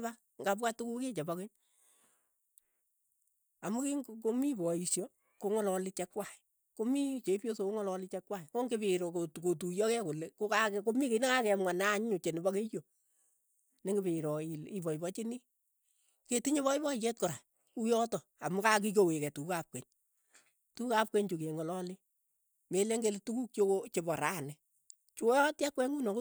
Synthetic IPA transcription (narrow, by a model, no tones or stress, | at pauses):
ba | ŋɡap̬katukuket͡ʃɛbakeɲ | amukikomibɔisjɔ | koŋɔlɔlɪt͡ʃɛkwaɪ | komit͡ʃepjosokoŋɔlɔlɪt͡ʃɛkwaɪkoŋɡebɪɾokotkotujɔkɛkolekokakkomikenakakɛmŋanaɲʊt͡ʃenɪbɔkejo | nɪŋɡɪbɪɾɔɪɪbɔibɔt͡ʃɪni | ketiɲeβɔɪbɔjɛt̚kɔɾa | kujɔtɔ | amukak̬ikowekɛtukukap̚kʷweɲ | tukukap̚kʷweɲt͡ʃokeŋɔlɔlɪ | meleŋɡeletukuk̚t͡ʃoot͡ʃebɔɾanɛ | t͡ʃjɔtjakwɛŋɡunɔk